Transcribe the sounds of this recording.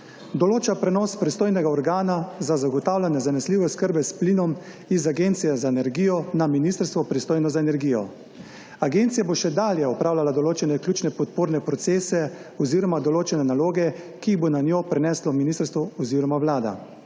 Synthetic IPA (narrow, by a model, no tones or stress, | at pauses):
d̪ɔloːt͡ʃapɾɛnɔspɾist̪oːjnɛɡaɔɾɡaːnazazaɡɔt̪aːwlʲanɛzanɛsliːʋɛskəɾbɛspliːnɔm | izaɡent̪sijɛzaenɛɾɡiːjɔnaminist̪əɾst̪ʋɔpɾist̪oːjnɔzaenɛɾɡiːjɔ̰ | aɡent̪sijaboʃɛd̪aːljɛɔpɾaːwlalad̪ɔloːt͡ʃɛnɛklʲjuːt͡ʃnɛpɔt̪̚poːɾnɛpɾɔt̪seːsɛɔziɾɔmad̪ɔloːt͡ʃɛnɛnaloːɡɛ | kibonanjoːpɾɛnɛslɔminist̪əɾst̪ʋɔɔziːɾɔmawlaːd̪a̰